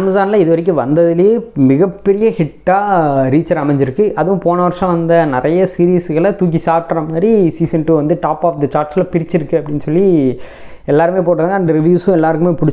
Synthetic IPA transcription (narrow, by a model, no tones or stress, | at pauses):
ɐmsaːnɐlɐɪðɯʋɐɾɪk̬ːɯʋɐnd̪ɐðɪlɐjemɪɣɐpːɛɾɪjɐhɪʈːaːɾiːt͡ʃɐɾɐmɛɲd͡ʒɪɾɯkːɯʔɐðɯʋʊ̃poːnɐʋɐɾʂɐ̃ʋɐnd̪ɐnɪɾɐjɐsiːɾiːsɯɣɐɭɐt̪uːk̬isaːɾʈːɾɐmaːd̪ɾisiːsɛnʈuʋɐnd̪ɯʈaːpaːfd̪ɐt͡ʃaːɾʈsɪlɐpɪɾɪt͡ʃːɪɾɯkːɯɐpːɐɽɪnːsɔlːi | ɛlːaːɾɯmeːp̬oːʈːɐðãːŋɡɐɐnɖɾɪʋjuːsʊ̃ɛlːaːɾɯkːɯmeːpʊɽɪt͡ʃː